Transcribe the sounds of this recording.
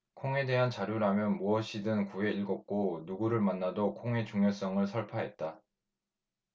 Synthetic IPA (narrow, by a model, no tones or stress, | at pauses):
kʰoŋe̞de̞ɦant͡ɕaɾjuɾamjʌnmuʌɕʰidɯnkue̞iɭɡʌk̚k͈onuɡuɾɯɭmanːadokʰoŋe̞t͡ɕuŋjʌs͈ʌŋɯɭsʰʌɭpʰaɦe̞t̚t͈a